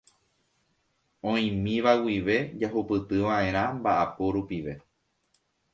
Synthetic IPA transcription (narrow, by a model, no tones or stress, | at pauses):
õĩmĩʋawiʋe̞d͡ʒaɦupɨt̪ɨʋãʔẽ̞ɾ̃ãmbaʔapoɾupiʋe̞